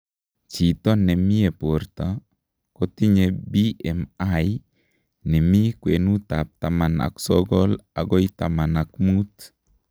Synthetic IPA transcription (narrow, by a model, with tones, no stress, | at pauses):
t͡ʃi˨t̪ɔ˦nɛ˨mi˦e˨po˨ɾt̪a˨ | kɔ˦t̪i˦ɲebi˦ɛ˨ma˦j | nɛ˨mi˦kwe˨nu˦t̪a˨p̚t̪a˨ma˨na̰˨ksɔ˦ɡɔ˦la̰˨ɡɔ˦i˦t̪a˨ma˨na˨kmu˦t̪